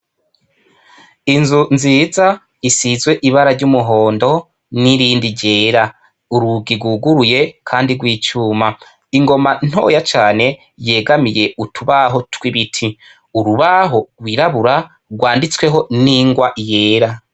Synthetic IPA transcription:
inzunziːza | isizɡwe̞ʔiβaɾaɾɟumuɦo̞ːndo̞ | niɾiːndiɟe̞ːɾa | uɾuɡiɡwuːɡuɾuje̞kʰaːndiɡwiːt͡ʃuːma | iŋɡo̞man̥ho̞̰jat͡ʃaːne̞ | je̞ːɡamije̞utʰuβaɦo̞twiβitʰi | uɾuβaɦoɾwiːɾaβuɾa | ɡwaːndit͡swe̞ɦo̞niŋɡwaʔije̞ːɾa

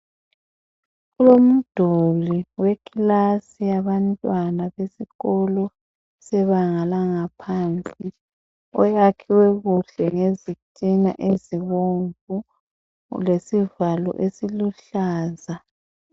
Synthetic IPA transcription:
ulom̩d̥ʱoliwekʰilasijaβantʼwanaβesiɣɔlɔ | sɛβaŋalaŋapʰaːnt͡sʼi | ɔjakʰiwɛɣuɬɛŋezitʼina̰ʔeziɣoɱvu | lesivalɔ̰ʔesiluɬaːza

